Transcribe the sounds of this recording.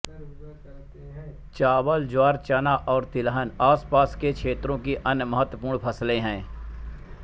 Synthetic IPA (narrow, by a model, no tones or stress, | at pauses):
t͡ʃaːbəld͡ʒwaːɾt͡ʃanaʔɔːɾt̪ɪlɦənaːspaːskekʰeːt̪ɾõkiʔɐnjəməɦət̪wəpuːɾɳpʰəslẽɦɛ̃ː